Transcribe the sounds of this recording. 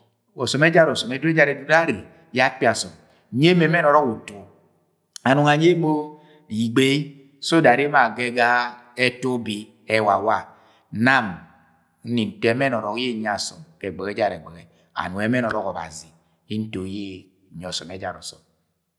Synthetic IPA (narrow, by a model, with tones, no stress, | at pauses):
ɔ˨sɔ˨mɛ˦d͡ʒa˦ɾɔ˨sɔ˨mɛ˨˦dɛ˦d͡ʒa˦ɾɛ˨du˨ɾa˦ɾe˨ | ja˦k͡pi˦a˨sɔ˨m˨ | ɲe˦me˨mɛ˦nɔ˨ɾɔ˦ku˨to˨ | a˨nu˨ŋa˨ɲe˦mo˦ | i˨ɡ͡be˦ | so˦da˨ɾe˦ma˦˨ɡɛ˦ɡa˦ɛ˦to˦bi˦ | ɛ˦˨wa˨wa˦˨ | na˦˨m | n̩˦ni˨n̩˨tɛ˨˦mɛ˦nɔ˨ɾɔ˨kje˦˨ɲ˨a˨sɔ˨mkɛ˨ɡ͡bɛ˨ɡɛ˦d͡ʒa˦˨ɾɛ˨ɡ͡bɛ˨ɡɛ˨ | a̰˨nu˨ɛ˨mɛ˦nɔ˨ɾɔ˦kɔ˨ba̰˨zi˨ | i˦n̩˦to˨˦je˦˨ | ɲ˨ɔ˨sɔ˨mɛ˨˦d͡ʒa̰˦˨ɾɔ̰˨sɔ̰˨m